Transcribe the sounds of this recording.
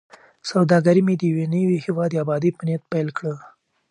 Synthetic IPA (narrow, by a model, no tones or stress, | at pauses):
sawd̪ɑɡaɾimed̪əjwenəwihiwɑd̪eabɑd̪ipənjat̪̚pelkɽə